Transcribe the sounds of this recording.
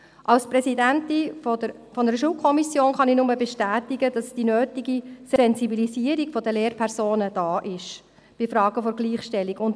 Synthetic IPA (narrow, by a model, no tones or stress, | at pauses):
ʔɑlspɾɛsidæntifə | fɔnəɾəʃ̬uːlkʰɔmisjoːnχɑnɪnʊməbɛʃtæːtiɡəd̥ɑsd̥inøːtiɡisɛnzibiliziəɾikfɔdəleːrpʰɛrsoːnəd̥ɑːʔɪʃ | b̥ɪfɾɑːɡ̥əfɔɾɡliːχʃtɛlːikʊnt